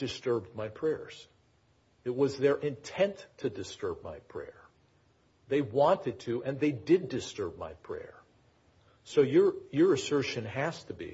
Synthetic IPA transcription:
d̥ɨstɜ˞bdmaɪpʰɹ̥ɛɹz̥ | ɨt̚wʌzðə˞ʔɪ̃ntʰɛ̃ntʰːɨdɨstɜ˞b̚ma̰ɪpʰɹ̥ɛ̰ɹ | ðeɪwɑ̃ntɨd̚tʰɨʔɨ̃nðeɪdɪdɨstɜ˞b̚ma̰ɪpʰɹ̥ɛ̰ɹ | soʊjə˞jə˞ɨsɜ˞ʃɨ̃nɦæstɨbḭ

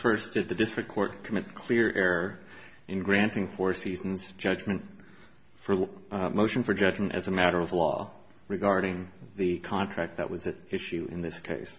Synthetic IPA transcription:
fɜ˞sd̥ɨd̪̚ðɨdɪstɹ̥ɨkʰɔɹt̚kʰəmɪt̚kʰl̥ɪɹʔɛɹə˞ | ʔɨ̃nɡɹæ̃ntɪ̃ŋfɔɹsizn̩z̥d͡ʒʌd͡ʒmɨ̃nt | fə˞moʊʃɨ̃n̩fə˞d͡ʒʌd͡ʒmɨ̃ntʔɨ̰zɨmæɾə˞ʌvlɔ̰ | ɹɨɡɑɹɾɪ̃ŋðɨkʰɑ̃ntʰɹ̥æk̚t̪̚ðɨ̰ʔwʌzɨɪʃʉʔɨ̰̃nðɪskʰeɪs

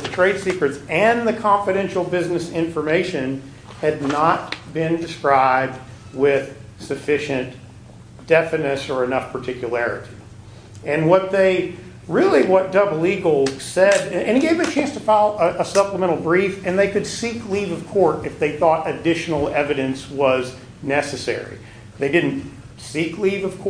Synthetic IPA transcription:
ðɨtʰɹ̥eɪd̥sikɹɨtsɨ̃nðɨkʰɑ̃ɱfɨɾɛ̃nʃl̩ˠbɪznɨsɪ̃ɱfə˞meɪʃɨ̃n | ɨdⁿnət̚b̥ɪ̃ndɨskɹaɪb̚d̚wɪð̥sɨfɪʃɨ̃n | d̥ɛfɨnɨsə˞ɨnʌfpʰə˞tʰɪkʰjɨlɛɹɨ̰ɾi | ɨ̃nwʌt̪̚ðeɪ | ɹɪlˠiwʌt̚d̥ʌbl̩ˠiɡosɛɾɨ̃niɡeɪvɨt͡ʃʰæ̃nstʰəfalˠəʔəsʌpləmɛ̃ɾ̃l̩ˠbɹifɨ̃nðeɪkɨd̥siklivʌv̥kʰɔɹɾɨfðeɪθɔɾɨdɪʃn̩l̩ˠɛvɨɾɨ̃nswʌz | nɛsɨsɛ̰ɹḭ | ðeɪdɪdⁿn̩t | siklivʌv̥kʰɔ

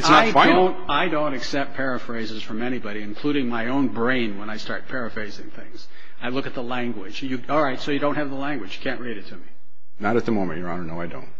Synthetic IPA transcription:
ɨtsnəɪdãõʊ̃ntaɪdõʊ̃ntɨksɛp̚t̚pʰɛɹɨfɹeɪzɨz̥fə̃˞mɛɾ̃ibɑɾiɨ̃nkʰl̥uɾɪ̃ŋmaɪõʊ̃nbɹẽɪ̃nwə̃ñaɪstɑ̰ɹt̚pʰɛɹɨfɹeɪzɪ̰̃ŋθɪ̃ŋz̥ | aɪlʊkɨt̪̚ðəlæ̃ŋɡwɪd̥d͡ʒjɨɔlˠɹaɪtsoʊjɨɾõʊ̃nthɨvðəlæ̃ŋɡwɨ̥d͡ʒ̥jɨ̥kʰæ̃nʔɹeɪɾɨtʰɨmi | nəɾɨt̪̚ðəmõʊ̃mɨ̃nʔjə˞ɑ̰nə˞noʊaɪdõ̰ʊ̃nt̚

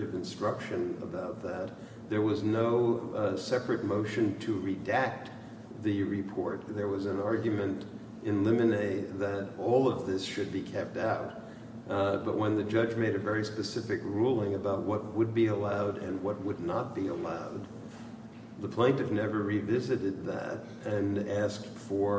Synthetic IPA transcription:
ɨvɨ̃nstɹ̥ʌkʃɨ̃nə̰baʊt̪̚ðɨt̪̚ | ðə˞wʌznoʊsɛpɹɨt̚moʊʃɨ̃ntʰɨɹidæk̚t̪ | ðɨɹɨpʰɔɹt̪̚ðə˞wʌzɨ̃nɑɹɡjɨmɨ̃nt | ʔɨ̃nlɪ̃mɨneɪɪðɨɾɔlˠʌvðɪsʃɨd̚bikʰɛp̚taʊt̚ | b̥ʌʔ̚wə̃nðɨd͡ʒʌd͡ʒmeɪɾɨvɛɹispɨsɪfɨkɹulˠɪ̃ŋɨbaʊt̚wʌt̚wəd̚biəlaʊɾɨ̃nwʌt̚wədⁿnət̚b̥iəlaʊd̪̚ | ðəpʰl̥æ̃ntɨvnɛvə˞ɹivɪzɨɾɨd̪̚ðæ̰ɾ | ɨ̃næsk̚tfə˞

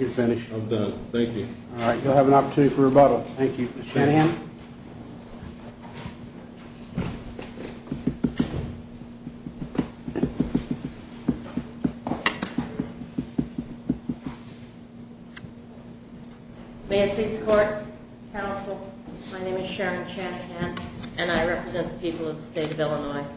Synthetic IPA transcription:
jə˞fɪ̃nɨʃʌvdãnθæ̃ŋkjʉɑlˠɹaɪtjulˠəvə̃nɑpə˞tʰʉ̃nɨɾifə˞ə˞bʌɾl̩ˠθæ̃ŋkjʉmsʃæ̃nhæ̃m | meɪɨpʰiskʰɔɹt̚ | kʰãʊ̃nsl̩ˠmaɪnẽɪ̃mɨz̥ʃɛɹɨ̃nʃænhæ̃nʔɨ̃naɪɹɛpɹɨzɛ̃nðə̥pʰipl̩ˠʌvðəsteɪɾʌvɛlˠənɔɪ

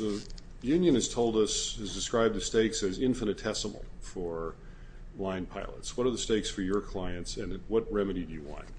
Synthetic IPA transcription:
ðə | jʉ̃njɨ̃nɨz̥tʰoʊlˠdʌsɨzdɨskɹaɪb̪̚ðɨsteɪksɨzɪ̃ɱfɨnɨtʰɛsəml̩ˠfə˞ | lãɪ̃npʰaɪlˠə̰tswʌɾə˞ðɨsteɪksfə˞jə˞kʰl̥aɪɨ̃ntsɨ̃nwʌt̚ɹɛmɨɾidɨjɨwɑ̰̃n

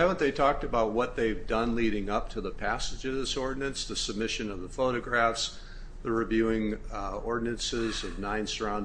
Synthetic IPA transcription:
ævə̃nðeɪtʰɔk̚tɨbaʊt̚wʌt̪̚ðeɪvdʌ̃nliɾɪ̃ŋʌp̚tʰɨðəpʰæsɨd͡ʒʌvðɪsɔɹdⁿn̩ɨ̃nsðɨsəb̚mɪʃɨ̃nʌvðəfoʊɾɨɡɹæfs | ðɨɹɨvjʉɪ̃ŋɔɹdⁿn̩ɨ̃nsɪzʌvnãɪ̃nsə˞ãʊ̃nd

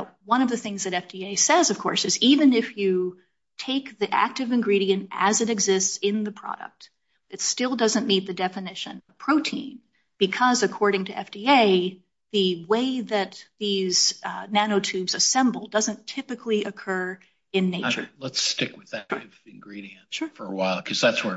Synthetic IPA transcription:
wʌ̃ñʌvðɨθɪ̃ŋzðɨɾɛfd̥ieɪsɛzʌv̥kʰɔɹsɨzivɨ̃nɪfjɨ | tʰeɪk̚ðiʔæ̰k̚tɨvɨ̃nɡɹiɾiɨ̃ntɨ̰zɨɾɨɡzɪstsɪ̃nðɨpʰɹ̥ɑ̰ɾə̰k̚t̚ | ɨtstɪlˠdʌzɨ̃nmit̪̚ðɨdɛfɨnɪʃɨ̰̃nʌv̥pʰɹ̥oʊtʰḭ̃n | b̥ɨkʰʌzɨkʰɔɹɾɪ̃ŋtʰɨɛ̰fd̥ieɪ | ðɨweɪðɨt̪̚ðiz̥næñoʊtʰʉbzɨsɛ̃mbl̩ˠdʌzɨ̃ntʰɪpɨkʰliʔɨkʰɜ˞ | ɨ̃nːeɪt͡ʃə̰˞lətstɪkwɨðævɨ̃nɡɹiɾiɨ̃nfə˞ə̰waɪlˠkʰʌzðætswə˞

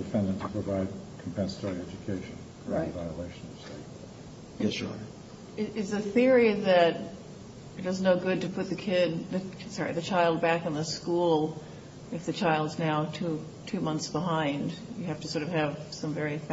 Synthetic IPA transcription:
d̥ɨfɛ̃ndɨ̃ntʰə̥pʰɹ̥əvaɪd̚kʰm̩pʰɛ̃nsə̥tʰɔɹiɛd͡ʒɨkʰeɪʃɨ̃n | ɹaɪvaɪəleɪʃn̩ʌv̥steɪt̚ə̰̥ | ɛsɹa̰ɪt̚ | ɪɪzɨθɪɹiðɨɾ | ɨt̚ʌznoʊɡʊd̚tɨpʰʊt̪̚ðɨkʰɪd̪̚ðɨsɑɹḭðɨt͡ʃʰaɪlˠd̚bækɨ̃nðəskulˠ | ɨfðɨt͡ʃʰaɪlˠdznaʊtʰʉ | tʰʉmʌ̃nθsb̥əɦãɪ̃ndjɨhæftɨsɔɹɾʌv̥ɨv̥sʌ̃ɱvɛɹif

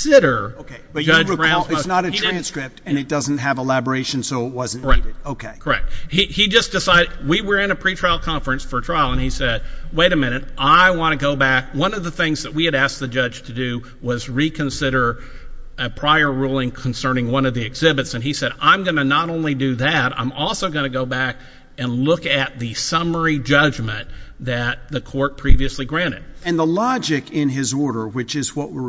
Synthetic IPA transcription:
sɪɾə˞oʊkʰeɪb̥ʌd͡ʒʌɹæ̃ɨsnəɾɨtiɹɹæ̃nskɹɪp̚tɨ̃nɨt̚d̥ʌz̃n̩t̚ɦɨvəlæbə˞eɪʃɨ̃n̩soʊət̚wʌzn̩iɾɨd̥̚oʊkʰeɪkʰə˞ɛ̰k̚t̚hiid͡ʒʌsd̥ɨsaɪɾɨdwiwə˞ɨ̃nɨpʰɹ̥itʰɹ̥aɪl̩ˠkʰɑ̃ɱfɹɨ̃nsfə˞tʰɹ̥aɪlˠə̃nisɛd̚weɪɾɨmɪ̃ñɨɾʔaɪwɑ̃ñɨɡoʊbæk̚wʌ̃nʌvðəθɪ̃ŋzðɨt̚wiɨɾæsk̚ðɨd͡ʒʌd͡ʒʒ̥tʰɨdʉ | wʌzɹikʰɨ̃nsɪɾə˞ | ɨpʰɹ̥aɪə˞ɹulˠɪ̃ŋkʰn̩sɜ̃˞nɪ̃ŋwʌ̃nʌvðiɨɡz̥ɪbɨtsɨ̃nisɛɾã̰ɪ̃mɡʌnɨnəɾõʊ̃nlidɨðɨɾã̰ɪ̃mʔɔlˠsoʊɡʌnɨɡoʊbæk | ɨ̃nlʊkɨt̪̚ðɨsʌmə˞id͡ʒʌd͡ʒmɨ̃nðɨt̪̚ðɨkʰɔɹt̚pʰɹ̥iviɨsliɡɹæ̃ɾ̃ɨ̰d̥̚ɨ̃nðəlɑd͡ʒɪkɪ̃nɪzɔɹɾə˞wɨt͡ʃɨzwʌʔ̚wɪ

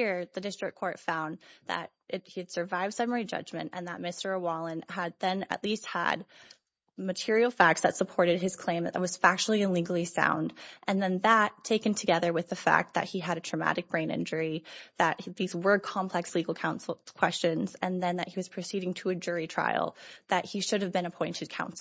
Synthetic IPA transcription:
iɹðɨdɪstɹ̥ɨkʰɔɹtfãʊ̃nðɨ̰ɾ | ʔɪɾhid̥sə˞vaɪvd̥sɛmə˞id͡ʒʌ̰d͡ʒmɨ̰̃ntɨ̰̃nðət̚mɪstə˞əwɑlˠə̃nəd̪̚ðɨ̃nɨ̰ʔˡlist̚hə̰d̚ | mɨtʰɪɹil̩ˠfæk̚tsðɨtsəpʰɔɹɾɨd̚ɨz̥kʰl̥ẽɪ̃mðɨ̰t̪ə̰t̚wʌz̥fæk̚t͡ʃl̩ˠiɨ̃nliɡl̩ˠisã̰ʊ̃ndʔɨ̃nðɨ̃nðətʰeɪkɨ̃n̩tʰɨɡɛðə˞wɨðɨfæ̰k̚t̪̚ðɨ̰t̚hiɨɾɨtɹ̥ɨmæ̰ɾɨk̚b̥ɹẽɪ̃nɪ̰̃nd͡ʒə˞iðɨt̚ðizwə˞kʰɑ̃mpʰl̥ɛksliɡl̩ˠkʰãʊ̃nsl̩ˠkʰw̥ɛst͡ʃɨ̃nzɨ̃nðɨ̃nðɨt̚hiwʌz̥pʰɹ̥ɨsiɾɪ̃ŋtʰɨɨd͡ʒʊɹitʰɹ̥a̰ɪl̩ˠðɨt̚hiʃʊɾɨvbɨ̃ñəpʰɔ̃ɪ̃ntʰɨd̚kʰãʊ̃nsl̩ˠ

